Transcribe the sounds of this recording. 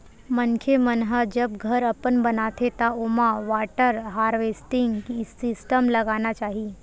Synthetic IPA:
mənkʰemənɦəd͡ʒəbɡʱəɾəpənbənat̪ʰet̪aomaʋaʈəɾɦaɾʋesʈiŋɡsisʈəmləɡanat͡ʃaɦiː

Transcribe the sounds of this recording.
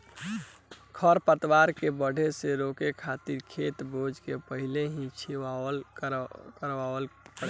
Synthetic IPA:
kʰəɾpət̪waɾkebəɽʱeseɾokekʰat̪iɾkʰet̪bod͡ʒkepəɦileɦĩt͡ʃʰiʋal | kəɾʋaəlkə

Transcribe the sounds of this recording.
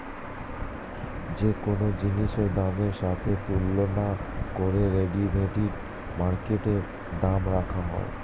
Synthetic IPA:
d͡ʑekonod͡ʑiniʃeɾd̪ameɾʃat̪ʰet̪ulːonakoɾeɾeɖibʱeʈiɾ | maɾkeʈe | d̪amɾakʰaɦɔ̰ḛ

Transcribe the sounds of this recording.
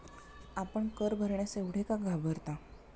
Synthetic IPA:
apəɳkəɾbʱəɾɳjaseʋɽ̤ekaɡʱabʱəɾt̪a

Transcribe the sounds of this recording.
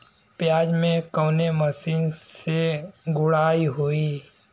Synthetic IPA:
pjaːd͡ʒmẽkəːneməsiːnseɡʊɽaːiɦoːiː

